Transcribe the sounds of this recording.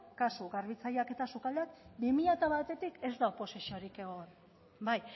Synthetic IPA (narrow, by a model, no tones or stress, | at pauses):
kasuɣaɾβit͡sajake̞t̪asukald̪eakbemiʎat̪aβat̪e̞t̪ike̞zd̪aopo̞sisio̞ɾike̞ɣo̞n | baj